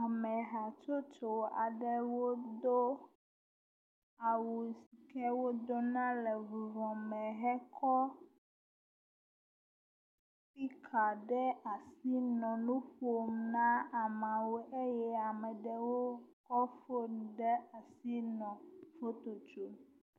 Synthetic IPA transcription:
a˨mɛ̃˨ɦa˨t͡ʃo˦t͡ʃo˨a̰˨ɖɛ˦wo˦d̪o˦ | a˨wu˨si˨kɛ˦wo˦d̪o˦nã˦lɛ˨vu˨vɔ̃˨mɛ̃˨ɦɛ˦kʰɔ˦ | pi˦kʰa˨ɖɛ˦a˨si˦nɔ̃˨nũ˦ɸo˦˨mnã˦a˨mã˨wo˨ʔe˦jɛ˦a˨mɛ˨ɖɛ˨wo˦kɔ˦fo˦n˨ɖɛ˦a˨si˦nɔ̃˨fo˦t̪o˨t͡ʃo˨n˨

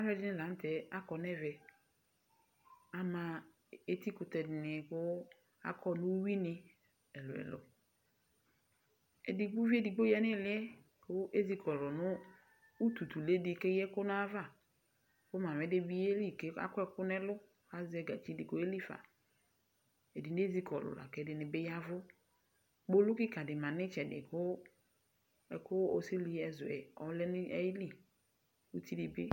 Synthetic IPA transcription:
a˦vɛ˦dɪ˦nɪ̃˦lã˨n˦tʰɛ˨a˦kɔ˨nɛ˦vɛ˨ | a˨mã˨ | e˦t̪i˦kʊ˨t̪ɛ˨dɪ˨nɪ˨kʊ˦ | a̰˦kʰɔ˦nʊ̃˦wi˦nɪ˨ | ɛ˨lʊ˨ɛ̰˨lʊ̰˦ | ḛ˨di˨ɡ͡bʊ˦vi˦e˦di˨ɡ͡bo˦jɛ˦nɪ˦˨lɪ˦ɛ˦ | wʊ˦ʔe˦zi˨kʰɔ˨ɾɔ˨nʊ̃˦ | u˦t̪u˨t̪u˨le˦dɪ˨ke˦jɛ˦kʊ˦nʊ̃˦a˦va˦˨ | kʊ˦mã˨mɛ˨dɪ˦bi˦e˦li˦˨ke˦a̰˦kʊ˦ɛ˦kʊ˦nɛ˦lʊ˦ | ka˦zɪ˨˦ɛ˦ɡa˨t͡ʃi˦dɪ˨ko˦e˦li˦fa̰˨ | e˨dɪ˨nɪ˦e˦zi˦kʰɔ̰˨lʊ̰˨la̰˨kɛ˨˦dɪ˨nɪ˨bɪ˦ja˦vʊ˦ | k͡po˦lʊ˦kɪ˦ka˨dɪ˨mã˨nɪ̃˦t͡ʃɛ˨dɪ̰˨kʊ˦ | ɛ˨kʊ˦ɔ̰˦si˦li˦ɛ˨zʊ˨ɛ̰˨ɔ˨˦lɛ˦nɪ˦ɛ˦jli˦ | u˦t̪i˦dɪ˨be˦

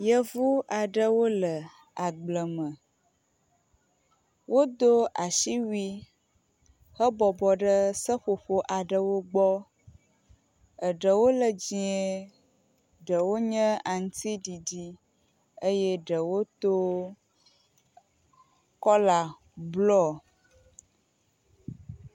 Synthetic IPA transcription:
jə˦vu˦ʔa˨ɖə˦wo˦lə˨ | a˨ɡ͡blə˨mə˨ | wo˦d̪o˦ʔa˨ʃi˦wi˦ | hə˦bɔ˨bɔ˨ɖə˦sə˦ɸo˨ɸo˦ʔa˨ɖə˦wo˦ɡ͡bɔ˦ | ə˨ɖə˨wo˦lə˨d͡ʑi˨e˨˦ | ɖə˨wo˦ɲə̃˦a˨ŋ̩˦t̪i˦ɖi˨ɖi˦ | ə˦je˦ɖə˨wo˦t̪o˦ | kɔ˦la˨ | blɔ˦˨

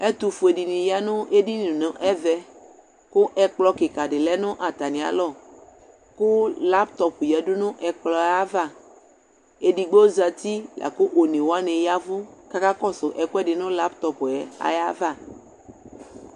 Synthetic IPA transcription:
ɛ˦t̪u˨fu˨e˨di˨nĩ˨ja˦nʊ̃˦ʔe˦di˦nũ˨nõ˨ʔɛ˦vɛ˦ | kʊ˦ʔɛ˨k͡plɔ˦ke˨ka˨ɖɪ˨lɛ˦nʊ̃˦ʔa˨t̪a˨nĩ˨a̰˨lɔ˦˨ | kʊ˦la˦pt̪ɔ˨pjɛ˨ɖʊ˦nʊ̃˦ʔɛ˨k͡plɔ˨a˦va˦˨ | e˦ɖi˨ɡ͡bo˦za˨t̪i˦lʔa̰˨kʊ˦ʔo˨nẽ˨wo˦a˦nẽ˨ja˦vʊ˦ka˦ka˦kɔ˦sʊ˨ʔɛ˨kɛ˦ɖɪ˨nʊ̃˦la˦pt̪ɔ˨pɛ˨a̰˨ja˦va˦˨

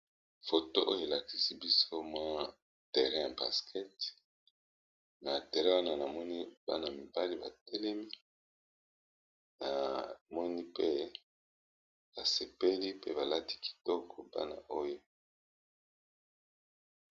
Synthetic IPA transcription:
fo˨to˦ʔo˦jo˦˨e˨la˨ki˨si˦bi˦so˦mwa˦ | tɛ˨ʁɛ̃˦ja˨ba̰˨skʰɛ˦t | na˨te˨ʁɛ̃˦wa˦na˦˨na˨mɔ˦ni˦b̥a̰˦na˨mi˨ba˦li˦ba̰˨tɛ˦lɛ˦mi˦ | na˨mɔ˦ni˦pe˦ | b̥a˨se˨pe˦li˦pḛ˦ba˨la˦ti̥˦ki̥˨tɔ˦kʰɔ˨ba̰˦na̰˨ʔo˦jo˦

